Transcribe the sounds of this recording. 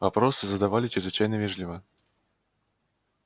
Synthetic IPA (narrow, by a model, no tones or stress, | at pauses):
vapɾɔsɨzɐd̪avalʲit͡ʃʲizvɨt͡ʃajnɐvʲɛʐlʲivɐ